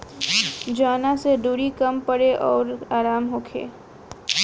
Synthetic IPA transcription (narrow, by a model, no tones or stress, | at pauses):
d͡ʒaːnased̪uːɾikɐmpəɽeʔɔːɾaːɾaːmɦoːkʰḛː